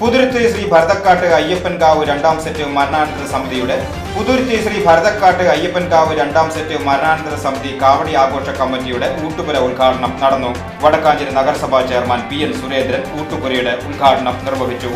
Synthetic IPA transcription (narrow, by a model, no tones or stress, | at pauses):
pud̪uɾt̪iɕriːbʱɐɾɐd̪ɐkːaːʈːɨɐjːefenkaːʋɨɾe̞ɳɖaːmsetːɨmɐɾɐnaːɳɐnd̪ɐɾɐsɐmiðʱijuɽe | puðuɾt̪ːiɕriːbʱɐɾɐd̪ɐkːaːʈːɨɐjːefenkaːʋɨɾeɳɖaːmsetːɨmɐɾɐnaːɳɐnd̪ɐɾɐsɐmiðʱikaːʋɐɽiaːɡo̞ːʂɐkɐmbɐnːijuɽeuːʈːubuɾɐulɡʱaːʈɐɳɐmnɐɽɐnːu | ʋɐɽɐkːaːɲd͡ʑɐɾɐnɐɡɐɾɐsɐbʱaːt͡ɕejɐrmaːnpijɐnsuɾe̞ːnd̪ɾɐnuːʈːupurɐjuɽeulɡʱaːʈɐɳɐmnirʋɐɦit͡ɕːu